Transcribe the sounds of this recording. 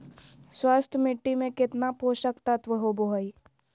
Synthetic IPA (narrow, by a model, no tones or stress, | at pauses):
swaːst̪ʰəmɪʈːimẽkɪt̪napoːʃəkt̪ət̪ʋəɦoboɦəi